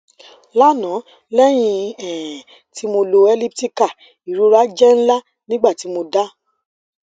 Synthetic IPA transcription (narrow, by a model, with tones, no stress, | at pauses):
la˦nã˨˦ | lɛ˦j̃ĩ˧ɛ̃˨ | ti˨˦mo˧lo˧ɛ˧li˦p̚ti˦ka˦˨ | i˨ɾu˨˦ɾa˦d͡ʒɛ˦n̩˦la˦ | nĩ˦ɡ͡ba˦˨ti˨˦mo˧da˦